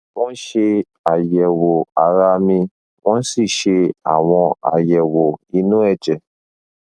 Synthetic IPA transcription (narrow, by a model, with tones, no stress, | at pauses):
w̃ɔ̃˦ʃe˧ | a˨jɛ˨wo˨a˨ɾa˧mĩ˧ | wɔ̃˦si˦˨ʃe˧a̰˨w̃ɔ̃˧a̰˨jɛ˨wo˨i˧nũ˦ɛ˦˨d͡ʒɛ˨